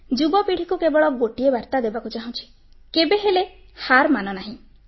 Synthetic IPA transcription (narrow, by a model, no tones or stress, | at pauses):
d͡ʒubɔpiɽ̤ikukebɔɭɔɡoʈiebaɾt̪ad̪ebakut͡ʃaɦũt͡ʃʰi̥ | kebeɦele | haɾmanɔnaɦĩ